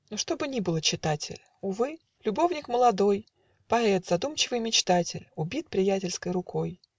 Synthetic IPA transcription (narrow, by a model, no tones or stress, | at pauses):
nuʂt̪o̞bɨnʲibɨlˠət͡ɕɪt̪atʲɪ̰lʲ | ʊvɨ | lʲʊbo̞vnʲɪkməlˠɐd̪o̞j | pɐɛt̪z̥ɐd̪umt͡ɕɪvɨjmʲɪt͡ɕt̪atʲɪ̰lʲʊbʲit̪̚pɾʲɪjætʲɪlʲskəjɾʊkʰo̞j